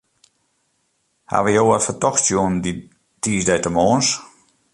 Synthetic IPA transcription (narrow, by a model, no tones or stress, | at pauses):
ha̰ʋəjoːərfətɔxtsjuəndi | tiːsdɛjtəmoːns